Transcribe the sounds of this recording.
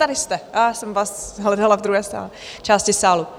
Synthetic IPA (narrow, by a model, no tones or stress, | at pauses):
aɾɪst̪ɛasɛmvasɦlɛdalˠavd̪ɾuɦɛːsa̰ːlɛ | t͡ʃʰaːstɪsaːlu